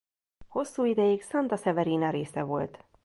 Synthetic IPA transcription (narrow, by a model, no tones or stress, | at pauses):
ho̞sːuːid̪ɛjiksɒnt̪ɒsɛvɛɾiːnɒɾeːsɛvo̞lt̪